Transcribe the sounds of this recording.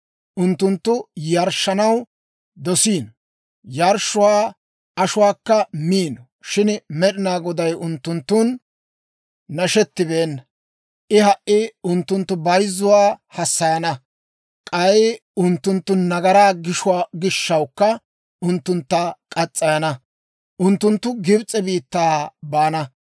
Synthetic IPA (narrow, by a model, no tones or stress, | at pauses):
ʔʊnt̪ːʊnt̪ːʊjɐɾʃːɐnɐw | d̪ɔsiːn | jɐɾʃʊwaː | ʔɐʃʊwaːkːɐmiːnɔ | ʃɪnmɛɗɪnaːɡɔd̪ɐjʔʊnt̪ːʊnt̪ːʊn | ɐʃɛt̪ːɪbeːnːɐ | ʔɪhɐʔːɪʊnt̪ːʊnt̪ːʊbɐjzːʊwaːhɐsːɐjɐnɐ | kʼɐj | ʊnt̪ːʊnt̪ːʊnːɐɡɐɾaːɡɪʃʊwaːɡɪʃːɐwkːɐ | ʊnt̪ːʊnt̪ːɐkʼɐt͡sʼːɐjɐnɐ | ʔʊnt̪ːʊnt̪ːʊɡɪbt͡sʼɛbiːt̪ːaːbaːnɐ